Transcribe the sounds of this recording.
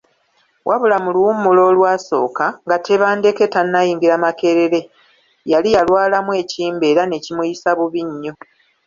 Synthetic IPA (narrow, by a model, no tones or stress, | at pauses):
wʔaβulamuluwumulo̞ːlwaːso̞̰ːkaŋɡatʰe̞βaːnde̞ke̞tanːajiːŋɡiɾamake̞ɾe̞ɾe̞ | jalijalwaːlamwe̞ːciːmbe̞ːɾane̞cimujisaβuβiɲːo̞